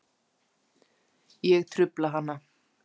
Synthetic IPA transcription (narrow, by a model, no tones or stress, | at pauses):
jɛɣt̪ʰɾʏplaɦanːa